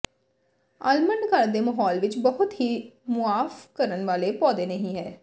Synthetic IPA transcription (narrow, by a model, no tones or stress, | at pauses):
əlməɳɖkəɾd̪eːməɦɔːlʋɪt͡ʃbəɦʊt̪ɦiːmʊaːfkəɾənʋaːleːpɔːd̪eːnəɦĩːɦɛː